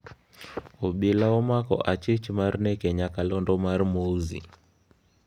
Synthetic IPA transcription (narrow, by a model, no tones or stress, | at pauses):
uɓilaɔmakɔ̰ʔat͡ʃit͡ʃimaɾnɛkɛɲakalɔndɔmaɾmouzḭ